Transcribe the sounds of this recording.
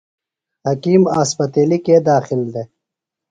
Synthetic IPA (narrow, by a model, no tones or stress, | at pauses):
hɐkiːmaːspɐt̪eːlikeːd̪aːxɪld̪e